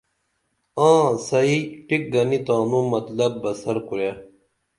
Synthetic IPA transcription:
ãːsɐiʈik̚ɡɐnit̪ãːnũmɐt̪lɐb̚bːɐsɐɾkuɾja

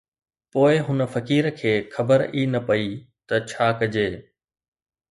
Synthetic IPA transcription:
poːɪɦʊnə̆fɐkiːɾkʰeːxɐbəɾiːnɐpɐi | t̪ɐt͡ɕʰaːkɐd͡ʑeː

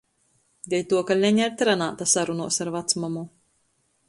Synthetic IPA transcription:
d̪ɛjʲt̪uɔkalʲɛɲaɾt̪ʲɾanaːt̪asaɾunuɔsaɾvat̪smamu

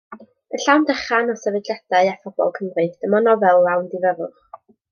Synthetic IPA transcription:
əɬawndəχanɔsɛvɨdjad̥aɨafɔbɔ̰lˠkʰəmrɨθd̥əmɔnɔvɛlˠawndɪvəɾʊχ

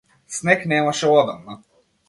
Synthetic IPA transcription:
snɛknɛmaʃɛɔd̪ɔmna

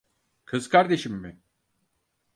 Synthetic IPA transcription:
kʰɯzkʰaɾd̪e̞ʃimːɪ

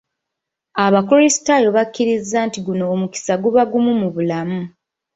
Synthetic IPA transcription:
aβakoɾisi̥tajo̞βakːiɾizːaːntiɡunoːmuki̥saɡuβaɡumumuβulamu

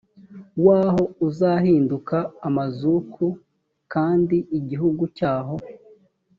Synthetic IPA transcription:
waːho̞uzahiːndukaːmazukʰu | kaːndiʔiɟiɦuɡucaːɦo̞

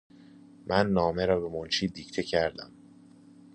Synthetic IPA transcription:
mʔænːɒːme̞ɾɒːbe̞mont͡ʃʰiːd̪iːct̪ʰecʰæɾd̪æm

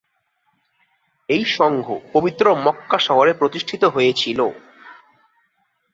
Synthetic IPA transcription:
ejʃɔŋɡʱo̰pobit̪ːɾomɔkːaʃɔɦoɾepɾot̪iʃʈʰit̪oɦojet͡ɕʰilo

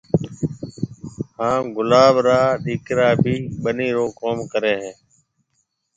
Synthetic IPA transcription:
hãːɡʊlaːɓɾaːɗiːkɾaːbʱiːɓəniːɾoːkoːmkəɾeːɦẽː

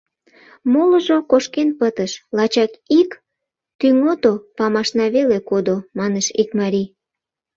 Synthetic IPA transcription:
moləʒokoʃkenpət̪əʃlɑt͡ɕɑkik | t̪yŋot̪opɑmɑʃnɑβelekod̪omɑneʃikmɑɾʲi

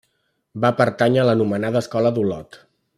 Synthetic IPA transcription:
bapəɾt̪aɲələnumənaðəːskɔləðulɔt̪

